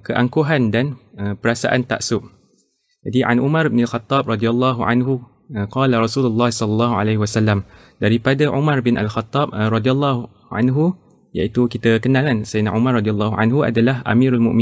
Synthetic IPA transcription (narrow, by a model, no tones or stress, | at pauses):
kəʔaŋkoɦandanəpəɾasa̰ʔant̪a̰ʔsʊʔ̚ | d͡ʒadiʔa̰nʔumãɾbnalxat̪ːɑb̚rɑdialːɑɦua̰nɦu | qɑːlaɾɑsululːahsɔlɑlːɑɦua̰lehwasalːam | daɾipadaʔumarbɪnʔa̰lxat̪ːɑb̚rɑdialːɑɦu | a̰nɦu | ja̰it̪ukit̪akənalansainaʔumarˤːɑdialːɑɦua̰nɦuʔa̰dalahʔa̰mĩɾalmʊ̰̃ʔmi